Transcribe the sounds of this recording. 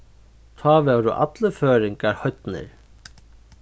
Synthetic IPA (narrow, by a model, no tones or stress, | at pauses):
t̪ʰɑːʋɛːwɾʊ̰ʔa̰t̪ləføːɾɪŋkaɾhœɥt̪nɪ̰ɹ